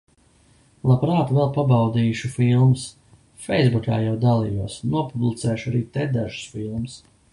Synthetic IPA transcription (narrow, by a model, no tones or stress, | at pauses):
lˠapɾaːt̪vɛlˠpabɑwd̪iːʃufilˠms | fɛjzbukʲa̰ːjawd̪alˠijuɔsnuɔpublˠit̪sɛːʃaɾiːt̪ɛd̪aʒɨ̥sfilˠms